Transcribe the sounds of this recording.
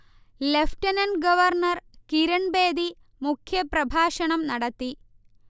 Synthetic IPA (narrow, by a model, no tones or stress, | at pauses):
lefʈɐnɐnɡɐʋɐrnɐrkiɾɐɳbeːd̪i | mukʰjɐprɐbʱaːʂɐɳɐmnɐɽɐt̪ːi